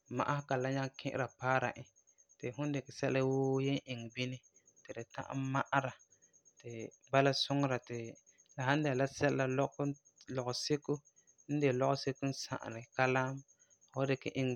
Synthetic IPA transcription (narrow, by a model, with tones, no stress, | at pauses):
ma̰˨ʔa˦hka˨la˦ɲa˦ŋkʰɪ̰˦ʔɪ̰˦ɾa˨paː˦ɾa˨ʔɪ˨ | tɪ˨ɦʊ̃˦n˦dɪ˨kɪ˨sɛ˦la˦woː˦jɛ˦ʔɪ˨ŋ˨bi˦nɪ˦ | tɪ˨dɪ˨ta̰˦ʔa̰˦ma˦ʔa˦ɾa˨ | tɪ˨ | ba˦la˦sʊ˦ŋ˦ɾa˨tɪ˨ | la˨hã˦n˦dɛ˨la˦sɛ˦la˨lɔ˦k | lɔ˨ɣʊ˨sɪ˦kʊ˦ | n̩˦dɪ˨lɔ˦ʔʊ˦se˦kʊ˦n̩˦sa̰˨ʔa̰˨nɪ˨ka˦la˦m | hɔ˦dɪ˨kɪ̰˨ʔɪ˦ŋ˨